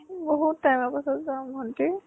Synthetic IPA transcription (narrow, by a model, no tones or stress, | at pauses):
boɦutːajmapasɔzamɔnti